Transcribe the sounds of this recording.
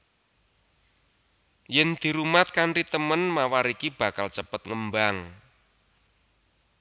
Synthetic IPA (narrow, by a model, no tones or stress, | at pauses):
jɛnd̪̥i̤ɾumat̪̚kaɳʈit̪əmənmawaɾikib̥a̤kalt͡ʃəpət̪̚ŋəmbaŋ